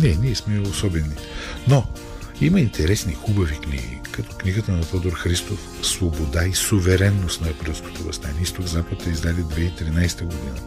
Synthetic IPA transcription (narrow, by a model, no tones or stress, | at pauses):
nɛniɛsmɛosɔbɛni | no | imɐint̪ʰɛɾɛsnixubɐviknḭɡḭkɐt̪ɔ̥kniɡət̪ənɐt̪ɔd̪oɾxɾist̪of | svobod̪aisovɛɾɛnːost̪nɐpɾəlˠsko̥t̪ovɐ̰st̪anʲɛist̪oɡzapət̪əizd̪alid̪vɛit̪ɾinajst̪əɡod̪inə